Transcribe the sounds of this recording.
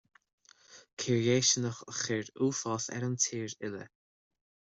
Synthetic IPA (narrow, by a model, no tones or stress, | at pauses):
kʰiɹieːʃənəxəxɪɹduːfɔːθɛ̰ɾəmt̪ʰiːɹɪlə̰